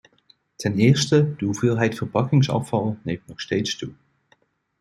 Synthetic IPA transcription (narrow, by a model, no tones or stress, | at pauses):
tʰɛnɪːɹstəd̥əɦuvɪːlˠɦɛjtfərpɑkɪŋsɑ̰fɑlˠnejmtnɔχstejtstu